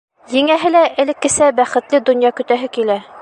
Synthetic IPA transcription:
jɘ̆ŋæɦɘ̆læʔɘ̆lɘ̆kːɘ̆sæbæχɘ̆t̪lɘd̪ɵ̆njɑkɵ̆t̪æɦɘkilæ

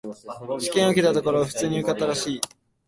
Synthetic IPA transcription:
ɕi̥kẽɰ̃o̞kʲet̪at̪o̞ko̞ɾo̞aɸɯ̟̥t͡sɨːɲ̟iɯ̟kat̪ːaɾaɕiː

